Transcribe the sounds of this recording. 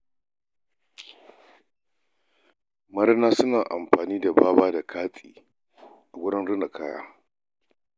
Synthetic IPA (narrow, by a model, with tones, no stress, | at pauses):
mɐ˦ɾnaː˦sʊ˦naː˨ʔa˨mɸaː˨niː˦da˨baː˦baː˦da˨kʰaː˦sʼḭː˨ | ʔa˨ɡʷʊ˦ɽɪ˦nɽʊ˦na˨kʰaː˦ja̰ː˦